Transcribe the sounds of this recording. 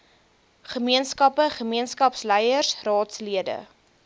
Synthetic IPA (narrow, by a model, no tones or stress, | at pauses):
χəmiənskɐpəχəmiənskɐpslɛjərsrɑːtsliədə̰